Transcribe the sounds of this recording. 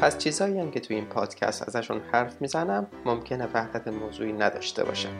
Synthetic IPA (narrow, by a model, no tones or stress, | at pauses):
pʰæst͡ʃʰiːzhɒːiːæmcʰe̞t̪ʰuiːnpʰɒːd̪̥cʰæ̰st̪æ̰zæʃunhæɾfmiːzænæmːomcʰe̞nevæhd̪æt̪ʰemoːzuːiːnæd̪ɒ̰ːʃt̪ʰḛbɒ̰ːʃæ̰m